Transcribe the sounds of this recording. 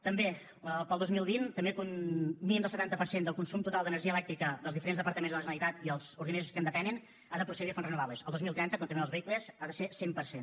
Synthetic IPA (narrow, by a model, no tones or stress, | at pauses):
t̪əmbe | əpəlˠd̪ozmilˠβint̪əmbekunminimd̪əsət̪ant̪əpəɾsend̪əlˠkunsumt̪ut̪alˠd̪ənəɾʒiəlɛkt̪ɾikəd̪əlˠzðifəɾenzðəpəɾt̪əmenzðələʒənəlˠit̪at̪iəlˠz̥uɾɣənizuskənd̪əpɛnən | aðəpɾusəɣifonrənuβaβlesəlˠozmilˠt̪ɾɛnt̪əkont̪əmeəlzβəikləzaðəsesempəɾsen